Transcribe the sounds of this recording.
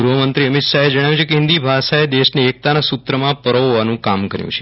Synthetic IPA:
ɾuʋəmənt̪ɾiəmit̪ʃaed͡ʒəɽ̃ajũt͡ʃʰekeɦɪ̃nd̪ibʱasaed̪eʃneːk̚t̪anasut̪ɾəmãpəɾooʋanũkamkəɾjṵ̃t͡ʃʰe

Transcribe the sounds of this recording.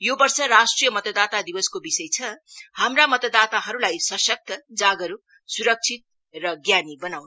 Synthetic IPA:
jobʌrsʌɾasʈrijʌmʌt̪ʌd̪at̪ad̪ibʌskobisʌjt͡sʰʌhamramʌt̪ʌd̪at̪aɦʌɾulajsʌsʌk̚t̪ʰʌd͡zaɡʌɾu | suɾʌk̚t͡sʰit̪̚ | rʌɡjanibʌnawn

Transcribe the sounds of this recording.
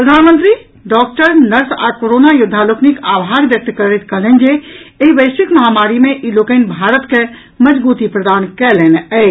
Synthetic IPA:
ppɾəd̪ʱanmə̃nt̪ɾi | ɖɔk̚ʈəɾnəɾsa̰koɾonajud̪ʱːaloknikabʱaɾbjək̚t̪kəɾɛt̪̚kəɦlɛnd͡ʒeeɦibəɪsikməɦamaɾimeʔilokənbʱaɾət̪ke | məd͡ʒbut̪ipɾəd̪ankɛleneəɪ

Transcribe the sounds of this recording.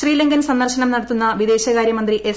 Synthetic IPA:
riːlɐŋɡɐnsɐnd̪ɐrɕɐnɐmnɐɽɐt̪ːunːɐʋid̪e̞ːɕɐkaːɾjɐmɐnd̪riʔe

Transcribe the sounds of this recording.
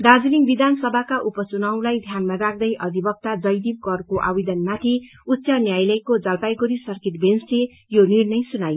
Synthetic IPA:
ɖad͡zuliŋɡbid̪ansʌbʱakaʔupʌt͡sunʌw̃lajd̪ʱjanmaɾakʰd̪ʌjʔʌd̪ʱibʌk̚t̪ad͡zʌjd̪ib̚kʌrkoʔa̰bid̪ʌnmat̪ʰi | utːsʌnjajlʌjkod͡zʌlpajɡoɾisʌrkeʈbensle | jonirnʌjsunaj

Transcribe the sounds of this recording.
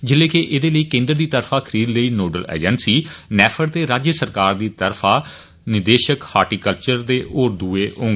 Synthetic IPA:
d͡ʒɪleːkeʔɪd̪eːləiːkẽːnd̪ɾd̪iːt̪əɾfʰaːkʰəɾiːd̪ləiːnoːɖəlɛ̰ːd͡ʒənsiːnɛːpʰəɽt̪eːɾaːd͡ʒjəsəɾkaːɾd̪iːt̪əɾpʰaː | nɪd̪eːʃəkhaːɾʈiːkəlt͡ʃəɾd̪eːʔoːɾd̪uːeːõːŋɡ

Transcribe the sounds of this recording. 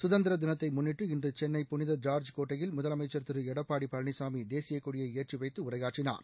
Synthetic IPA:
sʊðɐnd̪ɪɾɐd̪ɪnɐt̪ːɐɪmʊnːɪʈːɯɪndrɯt͡ʃɛnːɐɪpːʊnɪðɐd͡ʒaːɾd͡ʒkoːʈːɐjɪlmʊðɐlɐmɐɪt͡ʃːɐɾt̪ɪɾɯɛɽɐpːaːɽipɐɭɳɪsaːmid̪eːsɪjɐkːʊɽɪjɐeːrt͡ʃːiʋɐɪt̪ːɯʊrɐɪɣaːʈrɪna̰ːɾ

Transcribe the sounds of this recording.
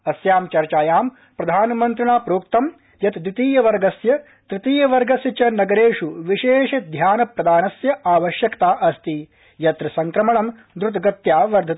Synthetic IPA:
ɐsjaːmt͡ʃɐɾt͡ʃaːjaːm | pɾɐd̪ʱaːnɐmɐnt̪ɾiɳaːpɾoːkt̪ɐm | jɐt̪d̪ɾɪt̪iːjɐʋɐɾɡɐsjɐ | t̪ɾit̪iːjɐʋɐɾɡɐsjɐt͡ʃɐnɐɡɐɾeːʂuʋiʃeːʂɐd̪ʱjaːnɐpɾɐd̪aːnɐsjɐʔaːʋɐʃjɐkt̪aːʔɐst̪i | jɐt̪ɾɐsɐŋkɾɐmɐɳɐm | d̪ɾut̪ɡɐt̪jaːʋɐɾd̪ʱɐt̪

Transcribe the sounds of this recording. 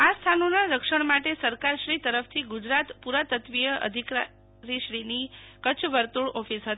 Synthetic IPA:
ast̪ʰanonaɾəkʃəɳmaʈesəɾkaɾʃɾit̪əɾəft̪ʰiɡud͡ʒɾat̪puɾat̪ət̪ʋijəʔə̰d̪ʱika | ɾiʃɾinikət͡ʃʰʋəɾt̪uɭɔfisɦət̪a

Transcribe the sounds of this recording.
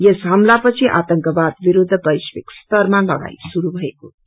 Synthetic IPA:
jesɦamlapʌt͡sʰiʔa̰t̪ʌŋkʌbad̪biɾud̪ʱːʌbʌjswikst̪ʌrmalʌɡa̰jsuɾubʱʌeko̰

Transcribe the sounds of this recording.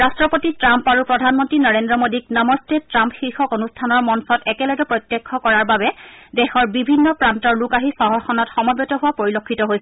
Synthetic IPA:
ɹastɹɔpotitɹampaɹupɹɔdʱanmɔntɹinɔɹendɹɔmodik̚nɔmɔstetɹampxixɔkonustʰanɔɹmɔnsɔtɛkɛlɔɡɛpɹɔjtjekʰːɔkɔɹaɹbabɛdɛxɔɹbibʱinːɔpɹantɔɹlukaɦisɔɦɔɹxʰɔnɔtxɔmɔbɔtɔɦʊwapoɹilokʰːitɔɦojsɛ

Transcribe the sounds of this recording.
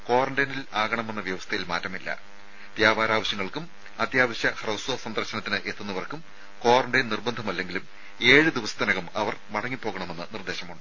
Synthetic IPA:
ko̞ːrɐɳɖɐjnilaːɣɐɳɐme̞nːɐʋjɐʋɐst̪ʰɐjilma̰ːtːɐmilːɐ̰ | d̪jaːbaːɾaːʋɐɕjɐŋːɐɭkum | ɐd̪jaːʋɐɕjɐhrɐwsoːsɐnd̪ɐrɕɐnɐt̪ːinɨʔe̞t̪ːunːɐʋɐrkːum | ko̞ːrɐɳɖɐjnnirbɐnd̪ʱɐmɐlːe̞ŋɡilum | e̞ːɻɨd̪iʋɐsɐ̥t̪ɐnɐɣɐmɐʋɐrmɐɽɐŋːipːo̞ːɣɐɳɐme̞nːɨnird̪e̞ːɕɐmuɳɖɨ

